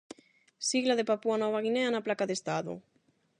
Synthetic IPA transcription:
siɣlaðepapuanɔβaɣineanaplakaðest̪aðo̰

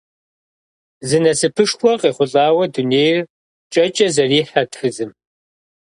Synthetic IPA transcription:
zɨnɐsɨpʰɨʂxʷɔqʼeːχʷʊɬʼaːwɐduneːjr | t͡ʃʼɐt͡ʃʼɐzɐriːħɐtʰxɨzɨm

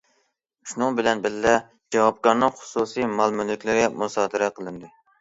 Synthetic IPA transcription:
ʃunɨŋbɪlɛnbɪllɛ | d͡ʒɛwɑp̚kɑɾnɨŋχʊ̥susimɑlˠmynːɪkʲlɪɾɡʲɛmusɑːd̪ɨɾɛqʰəlˠɨnd̪ɨ

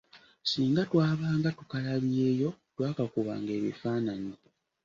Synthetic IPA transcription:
siːŋɡatwaːβaːŋɡatukalaβjeːjo̞twaːkakuβa̰ːŋɡe̞ːβḭfaːnaɲi

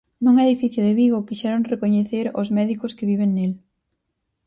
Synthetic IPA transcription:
nũŋɛðifiθjʊðɪβiɣʊkiʃɛɾoŋrekoɲeθeɾo̰zmɛðikʊskɪβiβeŋnel

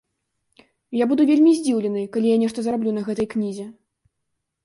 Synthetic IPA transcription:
jabud̪uvʲelʲmʲizʲd͡zʲiwlʲɛnɨjkalʲijanʲɛʂt̪ɐzɾablʲunɐɣɛt̪ɐjknʲizʲɛ

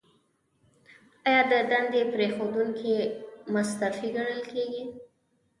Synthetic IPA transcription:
ɑjɑd̪əd̪and̪epɾexod̪uŋkʰemʊst̪afiɡaɽ̃əlkeɡi

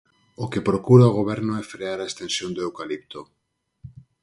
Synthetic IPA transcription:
okepɾokuɾaoɣoβ̞eɾnoesfɾeaɾaest̪ensjond̪oewkalip̚t̪o

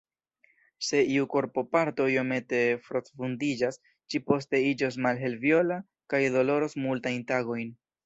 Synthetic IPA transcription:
se̞iuko̞ɾpo̞paɾto̞io̞me̞te̞fɾo̞t͡sfundid͡ʒas | ʃipo̞s̬te̞id͡ʒo̞s̬malɦe̞lvjo̞la | kajdo̞lo̞ɾosmultajntaɡo̞jn

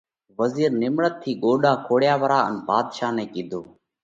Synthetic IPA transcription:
ʋəziːɾnɪmɳət̪ʰːiːɠoːɗaːkʰoːɽjaːʋəɾaːənbaːd̪ʃaːnɛ̃ːkiːd̪ʱoː

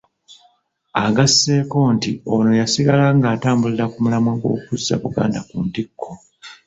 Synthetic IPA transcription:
aɡasːe̞ːko̞ːntio̞no̞jasiɡalaŋɡaːtaːmbuliɾakumulamwaɡo̞̰ːkuzːa̰βuɡa̰ːndakundikʰːo̞

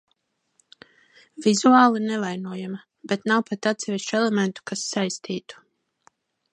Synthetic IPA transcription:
vizuaːlˠinɛvajnuɔjama | bet̪nawpet̪at̪sɛviʃt͡ʃɛlˠɛment̪u̥kasːajst̪ʰiːt̪u̥

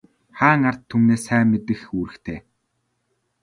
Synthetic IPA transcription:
χaːŋar̥t̪ʰːumneːsæːmet̪ɘ̆xuːɾɘ̆xt̪ʰeː

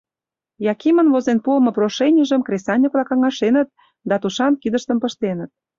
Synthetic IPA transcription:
jɑkimənvozenpuəmɤ̆proʃenʲiʒəmkrʲesɑnʲiklɑkɑŋɑʃenət̪̚ | d̪ɑt̪uʃɑnkid̪əʃt̪əmpə̆ʃt̪enə̆t̪̚

